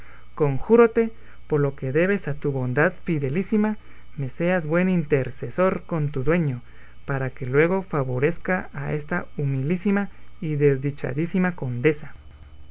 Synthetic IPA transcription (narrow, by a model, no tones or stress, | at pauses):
koŋxuɾot̪e | poɾlokeðe̞βesat̪uβond̪aðfiðelisima | meseazbwe̞nint̪eɾsesoɾkont̪uðwe̞ɲo | paɾakelwe̞ɣofaβo̞ɾe̞skaːest̪aumild̪isimaiðezd̪it͡ʃa̰ðisimako̞nd̪e̞sa